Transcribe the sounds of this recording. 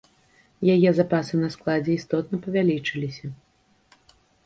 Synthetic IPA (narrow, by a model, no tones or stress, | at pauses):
jajɛzapasɨnɐsklˠad͡zʲɛist̪ɔt̪̚nɐpɐvʲalʲit͡ʂɨlʲisʲɐ